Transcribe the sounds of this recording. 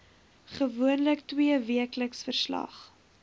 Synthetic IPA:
χəvuənləktwiəviəkləksfərslɐ̰χ

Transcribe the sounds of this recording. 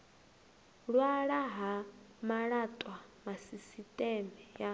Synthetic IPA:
ɺwaɺaɦa | maɺatʼwamasisitʼɛmɛja

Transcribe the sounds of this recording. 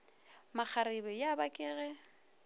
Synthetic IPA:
mak͡xʰaɾɪbɛjabakʼɪːɣɛ

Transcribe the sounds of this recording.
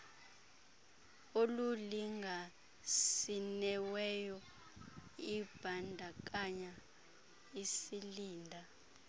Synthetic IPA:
oluliŋɡʱa | sinɛwɛjɔ | ib̥ʱandʱak̬ʼaɲa | isiliːndʱa

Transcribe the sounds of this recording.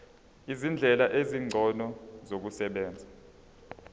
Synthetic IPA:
izind͡ɮʱɛlaʔeziŋ͡ǀʱɔnɔzok̬usɛɓɛːnd͡zʱa

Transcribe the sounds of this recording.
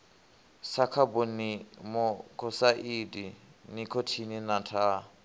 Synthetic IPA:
sakʰabɔnimɔkʰɔsaʔidinikʰɔtʰininatʰa

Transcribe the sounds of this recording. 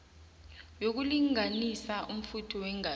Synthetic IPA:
jok̬uliŋanisaʔum̩futʰɔwɛŋa

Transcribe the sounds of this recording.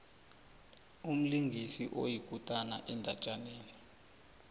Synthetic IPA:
um̩liŋɡʱisiʔo̰jikʼutʼana̰ʔɛndʱat͡ʃʼaneːni

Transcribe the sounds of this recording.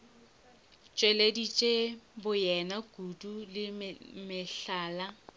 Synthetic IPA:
t͡ʃʼweledit͡ʃʼebʊjɛnaɡ̥udulɪmɪɬaːla

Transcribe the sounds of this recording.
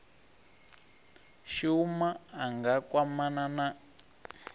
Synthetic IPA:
ʃumaːŋɡakwamanana

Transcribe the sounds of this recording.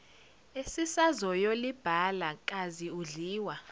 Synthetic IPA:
esisazɔjolib̥ʱalak̬ʼaziuɮiːwa

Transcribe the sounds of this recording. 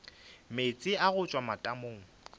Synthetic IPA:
met͡sʼɪaɣʊt͡ʃʼwamatʼamoːŋ̩

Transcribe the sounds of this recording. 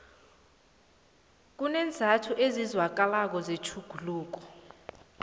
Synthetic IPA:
k̬ʼunɛnd͡zʱatʰuʔezizwak̬alak̬ɔzet͡ʃʰuɡ̥ʱuluːk̬ɔ̥

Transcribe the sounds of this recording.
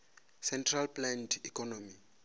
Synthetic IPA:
sɛntʰralplɛndikʰɔnomi

